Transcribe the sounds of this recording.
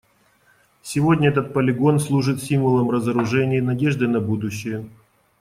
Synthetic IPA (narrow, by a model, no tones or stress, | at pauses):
sʲɪvo̞dʲnʲəɛt̪ət̪̚pəlʲɪɡo̞nslˠuʐɨt̪sʲimvəlˠəmrəzəɾʊʐɛnʲɪjːnɐdʲe̞ʐd̪ɨnɐbud̪ʊɕːɪjə